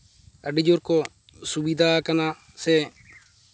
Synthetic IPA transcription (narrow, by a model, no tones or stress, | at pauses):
əɖid͡ʒoːɾko | sʊbiːd̪ʱaːkənaː | seː